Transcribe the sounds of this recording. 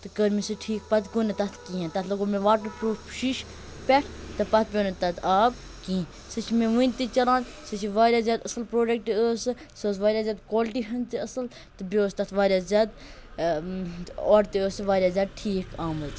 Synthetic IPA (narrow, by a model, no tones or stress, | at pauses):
t̪ɨkəɾmisɨʈʰiːk̚pɐt̪ɡonet̪ɐt̪ʰkiːãnt̪ɐt̪ʰlɐɡomẽʋaːʈəɾpɾuːfpʃiʃ | pʲeʈʰt̪ɨpɐt̪̚ʰbʲoːnet̪ɐt̪aːb̚ | kĩː | sɨt͡ʃʰmẽʋũnʲt̪it͡ʃɐɾaːn | sɨt͡ʃʰiʋaːɾʲjaːzʲjaːd̪ɐsɨlpɾoːɖek̚ʈiəːsɨ | səːsʋaːɾʲaːzʲaːd̪koːlʈiɦɐnt̪iɐsɨl | t̪ɨbʲooːst̪ɐt̪ʰʋaːɾʲjaːzʲjaːd̪ | oːɾt̪iəːsɨʋaːɾʲjaːzʲjaːd̪̚ʈʰiːkʰaːmɨz